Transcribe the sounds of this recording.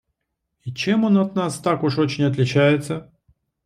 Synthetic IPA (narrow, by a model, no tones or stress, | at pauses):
it͡ɕemo̞nɐt̪nast̪akʊʂo̞t͡ɕɪnʲɐt̪lʲɪt͡ɕæjɪt̪sə